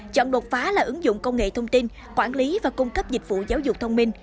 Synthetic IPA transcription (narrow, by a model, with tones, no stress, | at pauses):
t͡ɕɔ̰˧˨nɗo˨˩t̚faː˨˦laː˨˩ʔɨ˨˦ŋzʊ̰˧˨ŋ͡mkə˧wŋ͡mŋḛ˧˨t̪ʰə˧wŋ͡mt̪i˧n | kwaː˧˩nli˨˦vaː˨˩kʊ˧ŋ͡mkə˦˥p̚zi˨˩k̟̚vṵ˧˨zaː˨˦wzʊ˨˩k͡p̚t̪ʰə˧wŋ͡mmï˧ŋ̟